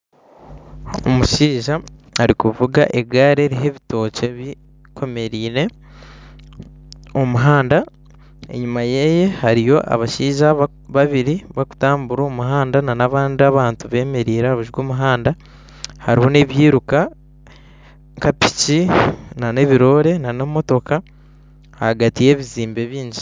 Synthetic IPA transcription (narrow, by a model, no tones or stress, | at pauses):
o̰muʃiːʒaːɾikuvuɡa̰ʔe̞ɡaːɾeɾiɦe̞βito̞ːceβi | kʰo̞me̞ɾiːɾe̞ | omuɦaːnda | e̞̰ɲumaje̞je̞haɾijo̞ʔa̰βaʃiːʒa | βaβiɾiβaku̥taːmbuɾoːmuɦaːndananaβaːndiaβaːntuβe̞ːme̞ɾiːɾeaβuʒɡoːmuɦaːnda | haɾiho̞ne̞βjiːɾuka | ŋkapi̥cinane̞βiɾo̞ːɾe̞nanemo̞to̞ka | haɡatije̞ːβiziːmbe̞βiːɲɟi